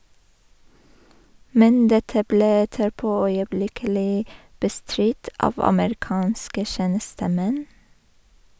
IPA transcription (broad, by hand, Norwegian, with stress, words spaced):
ˈmɛn ˈdɛtə ˈbleː ˈɛtəɾˌpoː œʏəˈblɪkəlɪ bəˈstɾɪt ˈɑːʋ ɑməɾɪˈkɑːnskə ˈʃeːnəstəˌmɛn